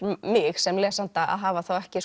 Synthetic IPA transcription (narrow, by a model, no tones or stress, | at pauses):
mɪxsɛmlɛːsant̪aa̰ðɦaːvaθowɛhcɪs